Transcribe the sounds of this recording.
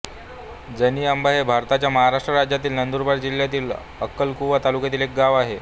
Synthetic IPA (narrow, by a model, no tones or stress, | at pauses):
d͡zəniːambaɦebʱaɾt̪at͡ɕjaməɦaɾaʂʈɾəɾad͡ʑjat̪iːlnənd̪uɾbaɾd͡ʑil̤jat̪iːl | əkːəlkuʋat̪alukjat̪iːlek̚ɡaʋaɦe